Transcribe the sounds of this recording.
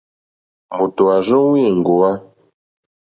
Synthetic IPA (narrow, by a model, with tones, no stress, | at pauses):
mu˨to˨a˨zu˦wi˦˨ŋ˨ɡo˨wa˦